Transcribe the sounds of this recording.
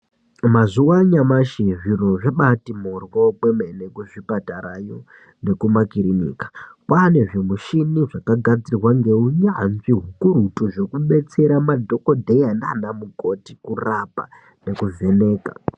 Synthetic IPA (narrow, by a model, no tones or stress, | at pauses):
mazuwaɲamaʃiʐinoʐeɓatimorwokwemenekuʐipataɾajo | ne̞kumakiɾinḭːkḁkwane̞ʐemuʃiniʐakaɡʱad͡zirwaŋɡe̞uɲamviɦukuɾutuʐo̞kuɓe̞t͡se̞ɾamadʱo̞kodʱejandanamukoti̥kurapa̰ | ne̞kuvʱe̞ne̞ːka̰